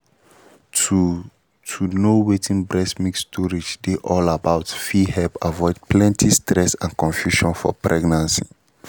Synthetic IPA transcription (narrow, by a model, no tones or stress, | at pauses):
tu | tʰunowetʰĩnbɹɛsmikstʰɔɹid͡ʒdeʔɔlabaʊtfihɛlpavɔɪd̚plɛ̃ntʰistɾɛsãnkɔ̃ɱfjuʃɔ̃nfɔ̰pɹɛɡnãnsi